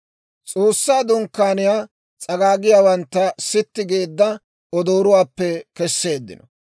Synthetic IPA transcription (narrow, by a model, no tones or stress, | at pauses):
t͡sʼoːsːaːd̪ʊŋkːaːnɪjaː | t͡sʼɐɡaːɡɪjaːwɐnt̪ːɐsɪt̪ːɪɡeːd̪ːɐ | ɔd̪oːɾʊwaːpːɛkɛsːe̞ːd̪ːɪ̰nɔ